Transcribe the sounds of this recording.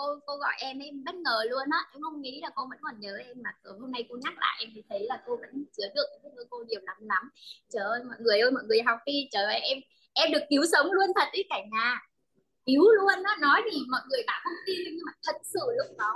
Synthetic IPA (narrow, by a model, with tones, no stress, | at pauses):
ko˧ko˧ɣɔ̰˧˨jʔɛ˧mʔɛ˧mɓə˦˥t̚ŋəː˨˩lu˧ənʔɔː˨˦ʔɛ˧mhə˧wŋ͡mŋḭ˧˥laː˨˩ko˧və̰˧˥nkɔ˨˩nɲəː˨˦ʔɛ˧mːaː˨˩sə˨˦ho˧ŋ͡mna˧jko˧ɲa˦˥k̚lʔa̰ː˧˨jʔɛ˧mt̪ʰi˨˦t̪ʰə˨˦jlaː˨˩ko˧və̰˧˥nt͡ɕɨ˨˦əɗɨ˨˩ək̚ːə˧˩jko˧ɗi˨˩əwla˨˦mla˨˦mt͡ɕəː˧˨˩ʔəː˧jmɔ̰˧˨jŋɨ˨˩əjʔə˧jmɔ̰˧˨jŋɨ˨˩ə˩jɦa˨˩w̚fi˧t͡ɕəː˧˩ve˨˩ʔɛ˧m | ʔɛ˧mɗɨ˨˩ək̚ki˨˦wsə˨˦wŋ͡mlu˧ənt̪ʰə˨˩t̚ʔi˨˦kaː˧˩ɲaː˨˩ | ʔi˨˦wlu˧ənːɔː˨˦ɔ˨˦jt̪ʰi˨˩˨mɔ̰˧˨jŋɨ˨˩əjɗa̰ː˧˥hə˧wŋ͡mt̪i˧n˧ɲɨ˧maː˨˩t̪ʰə˨˩t̚sɨ̰˧˩˨lʊ˦˥k͡p̚ɗɔ˨˦